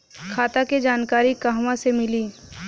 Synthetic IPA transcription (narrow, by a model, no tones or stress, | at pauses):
kʰaːt̪aked͡ʒaːnkaːɾikaɦʋãsemɪliː